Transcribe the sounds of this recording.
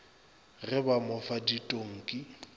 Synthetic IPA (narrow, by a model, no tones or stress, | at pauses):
rɪbamɔfaditʼoŋ̩kʼɪ